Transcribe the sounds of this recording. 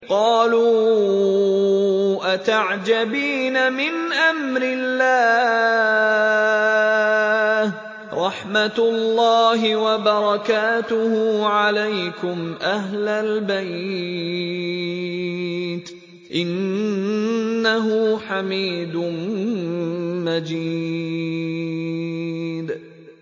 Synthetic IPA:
qɑːluː | ʔat̪aʕd͡ʒabiːnamɪnʔamɾɪlːaː | h | ɾˤɑħmat̪lːɑːhɪwabɑɾˤɑkaːt̪ʊhʊːʕalajkʊmʔaɦlalbaj | d̪ | ʔɪn | aɦʊħamiːd̪ʊ | mad͡ʒi | d̪

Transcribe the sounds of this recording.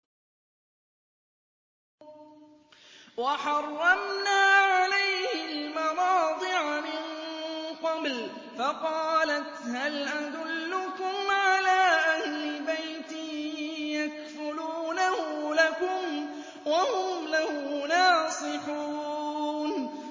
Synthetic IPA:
wɑħɑrˤːɑmnaːʕalajhɪlmawɑːd̪ˤɨʕamɪnqɑbl | fɑqɑːlat̪halʔad̪ʊlːʊkʊmʕalaːʔahlɪbajt̪ɪjakfʊluːnahʊlakʊm | wahʊmlahʊnɑːsˤɨħuːn

